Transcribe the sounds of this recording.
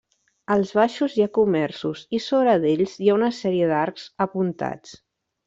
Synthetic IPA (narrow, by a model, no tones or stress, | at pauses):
əlˠzβaʃuzjakumɛrsuzisoβɾəðeʎzjaunəsɛɾiəðaɾkz̥əpunt̪a̰t͡s